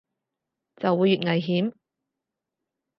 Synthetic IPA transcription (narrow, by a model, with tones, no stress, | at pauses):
t͡sɐ˨wːuː˨˧jːyː˨t̚ŋɐ˨jɦiː˨˥m